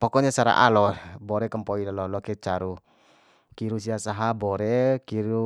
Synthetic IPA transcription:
pɔkɔɲasaɾa̰ʔa̰lɔbɔɾɛkəmpɔilalɔlɔkɛt͡ʃaɾu | kiɾus̬iasaɦabɔɾɛkiɾu

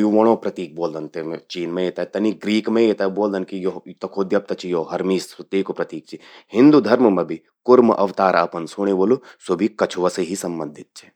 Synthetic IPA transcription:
juʋoːɽ̃opɾɐt̪iːk̚boːld̪ɐnt̪emt͡ʃiːnmẽet̪ɐt̪ɐniɡɾiːkmẽet̪ɐboːld̪ɐnkijot̪ɐkʰoːd̪jɐp̚t̪ɐt͡ʃʰijoːɦɐɾmiːsɐt̪iːkopɾɐt̪iːk̚t͡ʃʰihɪ̃nd̪ud̪ʱɐɾməmebʱi | kʊɾmʔɐʋt̪aːɾaːpɐnsuɽ̃eʋolusobʱikɐt͡ʃʰʋɐseɦisɐmbɐ̃nd̪ʱɪt̪̚t͡ʃʰi̥

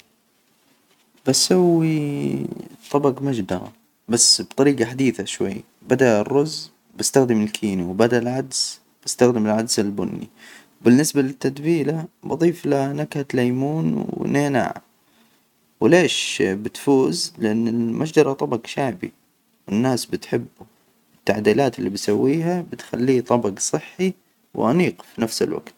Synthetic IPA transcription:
basawːi | t̪ˤɑbɑɡmad͡ʒd̪ɑɾˤɑ̰ | basːbt̪ˤɑɾiːɡɑħad̪iːθaʃwa̰jː | bad̪aʔrːʊz | bast̪axd̪ɪmɪlkʰiːniwbad̪aʔlʕad̪z̥ | b̥ast̪axd̪ɪmɪlʕad̪zɪlbʊ̰nːḭwbɪnːɪsbalɪt̪ːad̪biːlabɑðˤiːflanakhat̪lajmuːnwɪ̰neːna̰ːʕa̰ | wɪleːʃbɪt̪fuːzlɪʔanːɪlmʔaʃd͡ʒɑɾˤɑt̪ˤɑbɑɡʃaʕbḭ | wɪnːaːsbɪt̪ħɪbːu | ɪt̪ːaʕd̪iːlaːt̪ɪlːibsawːiːɦabɪt̪xalːiːt̪ˤɑbɑɡsˤɨħːi | wʔɑniːqfinafsɪ̰lwa̰ɡt̪

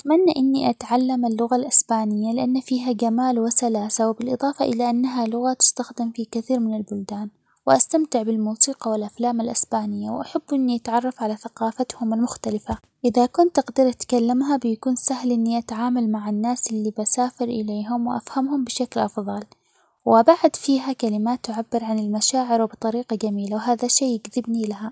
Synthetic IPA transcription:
at̪manːaʔɪnːiʔat̪ʕalːamɪlːʊɣalʔɪsbaːnɪjːalɪʔanːafiːɦaɡamaːlwɪsalaːsawɪbɪlʔɨðˤɑːfɑʔɪlaʔanːaɦalʊɣat̪ʊ̥st̪axd̪ɪmfikɪθiːɾmɪnɪlbʊld̪aːn | wɪʔast̪amt̪ɪʕbɪlmuːsiːqɑwɪlʔaflaːmalʔɪsbaːnɪjːawʔaħabːʔɪnːiʔat̪ʕɑrˤːɑfʕalaθaqɑːfat̪hʊmalmʊxt̪alɪfa | ʔɪðakʊnt̪ːaqd̪iɾʔat̪kalːamɦabɪjakuːnsahlʔɪnːiʔat̪aʕaːmalmaʕanːaːsʔɪlːibasaːfɪɾʔɪleːɦʊmwɪʔa̰fhamhʊmbɪʃaklʔɑfðˤɑl | wʔabaʕad̪fiːɦakalɪmaːt̪ːʔʊʕabːɪɾʕanɪlmaʃaːʕɪɾwbɪt̪ˤɑɾiːqɑd͡ʒamiːlawɦaːðaʃeːɪɡðɪbnilaɦa

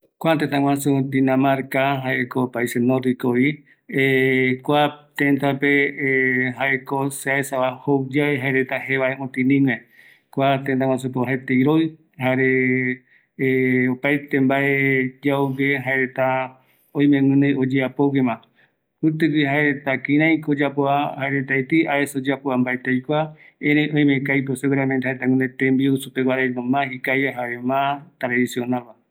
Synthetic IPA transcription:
kʷat̪ẽt̪ãŋʷwãsũd̪inãmaɾkaɦaeekopaisenõɾikoi | ekʷat̪ẽnt̪ape | ɦaʔekoseaesaβahowd͡ʒaeɦaeɾet̪aheβaeʔõt̪ĩnĩŋẽ | kʷat̪ent̪aŋ̃ʷãsupeoɦaet̪eiɾoj | ɦaɾe | opajt̪embaʔed͡ʒauɡeɦaeɾet̪a | õj̃mẽŋɨ̃nẽod͡ʒeapoɡemã | ɨt̪̬ɨwihaeɾet̪akĩɾ̃ãj̃kod͡ʒapoahaeɾet̪ajt̪iaesod͡ʒeapoambaet̪ejkʷa | ẽɾejʔõj̃mẽkajp̬oseweɾamẽnd̪haɾet̪aŋɨ̃nẽt̪ẽmbiusupewaɾenõmãhikajaɦaɾemãt̪ɾaðisionalmã

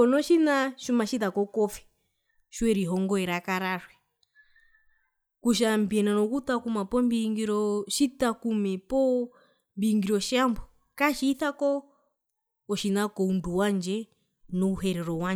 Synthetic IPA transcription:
kɔnɔʃinaʃumaʃitakɔkɔfɛ̥ | ʃwɛɾiɦɔŋɡɔɛɾakaɾaɾwɛ | kuʃ̬ambiɛnanɔkut̪akumapɔmbiŋɡiɾɔʃitakumɛpɔ | mbiːŋɡiɾɔʃambɔ | kaʃiːθakɔ | ɔʃinakɔunduwand͡ʒɛ | nɔuɦɛɾɛɾɔwa

